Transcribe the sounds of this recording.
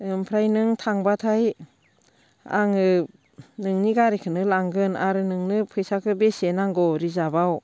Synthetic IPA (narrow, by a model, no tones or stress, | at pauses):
ɯmpʰɾajnɯŋtʰaŋbatʰaj | a̰ŋɯ | nɯŋniɡaɾikʰɯnɯlaŋɡɯnaɾɯnɯŋnɯpʰɯjsakʰɯbesenaŋɡɔɾizabaw